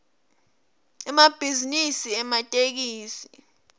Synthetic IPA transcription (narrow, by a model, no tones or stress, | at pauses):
ɛmab̥ʱizinisiɛmatʼek̬iːsi